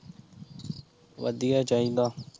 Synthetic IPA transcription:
ʋə̰d̪ijaːt͡ʃaːɦĩːd̪aː

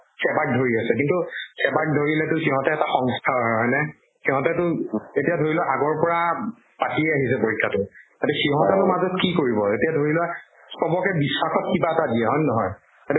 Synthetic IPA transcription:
sɛbat̚dʱoɹiasɛk̬intusɛbat̚dʱoɹilɛtʊxiɦɔ̃tɛːtaxɔŋstʰaɦɔɦɔjnɛ | siɦɔ̃tɛtʊetijadʱoɹilɛʔaɡɔɹpɔɹa | patiɛaɦisɛpoɹikʰːatʊtatɛxiɦɔ̃tɛtʊmazɔt̚kikoɹibɔetijadʱoɹilʊɛ | sɔbɔkɛbisːaxɔt̚kibaɛtadiɛɦɔjnnɔɦɔj | tatɛ

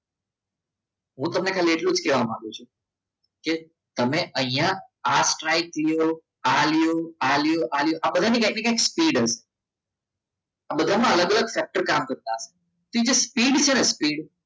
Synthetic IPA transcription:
ɦũt̪əmnekʰalieʈlũd͡ʒkɛʋamã̰ɡjut͡ʃʰu | ke | t̪əmeʔəɦĩjãasʈɾaiklijo | alijoalijoʔaljoʔabəd̪ʱanikãiknekãkspiɖɦəʃe̥ | abəd̪ʱamãələɡələɡfɛk̚ʈəɾkamkəɾt̪aɦəʃe̥ | t̪oid͡ʒespiɖt͡ʃʰenespiɖ

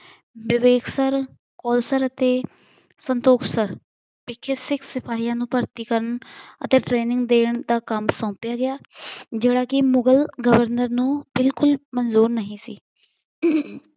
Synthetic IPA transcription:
bɪʋeːksəɾ | kɔːlsəɾət̪eː | sənt̪oːkʰsəɾ | pɪkʰːeːsɪkʰsɪpʰaːɦiːãːnũːpəɾt̪iːkəɾəɳə̰t̪eːʈɾeːnɪ̃ŋɡd̪eːɳd̪aːkəmsɔ̃ːpjaːɡɪjaːd͡ʒeːɽaːkɪmʊɡəlɡəʋəɾnəɾnũːbɪlkʊlmənzuːɾnəɦĩːsḭː

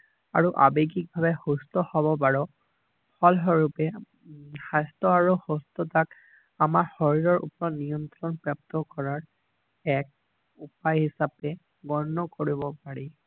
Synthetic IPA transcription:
a̰ɹuʔa̰bekik̚bʱabɛhostɔhɔβɔpaɹɔ | pʰɔlɦɔɹupɛ | xastɔaɹuhostɔtak | amaɹxoɹiɹɔɹṵpɔɹɔnijɔnt̪ɹɔnpɹap̚t̪ɔkɔɹaɹ | ɛk̚ | upajhisapɛ | ɡɔɹnːɔkoɹibɔpaɹi

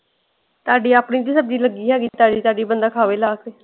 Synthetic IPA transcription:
t̪aːɖiːaːpɳiːt̪̬iːsəb̚d͡ʒiːləɡiːɦɛːɡit̪aːɖiːt̪aːɖiːbənd̪aːkʰaːʋeːlaːkeː

